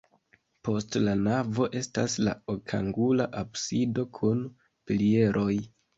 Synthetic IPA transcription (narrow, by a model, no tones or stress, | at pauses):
po̞stlanavo̞ʔe̞stasla̰okʰa̰ŋɡulaʔabsido̞kʰun | pilie̞ɾʔo̞j